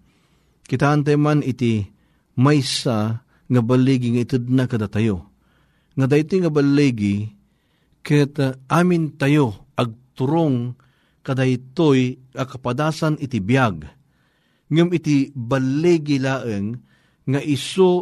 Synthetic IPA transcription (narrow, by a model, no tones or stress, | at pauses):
kɪt̪aːnt̪̬ajmanit̪i | majsa | ŋabalɛɡiŋait̪ɨd̪̚nakad̪at̪ajo | ŋad̪ajt̪ijŋabalːɛɡi | kɨt̪ʔaːmɪnt̪ajo | aɡ̚t̪ʊɾoŋ | kad̪ajt̪ojŋakapad̪aːsanɪt̪ibijaɡ | ŋɨmit̪ibalːɛɡilaːʔəŋː | aʔiso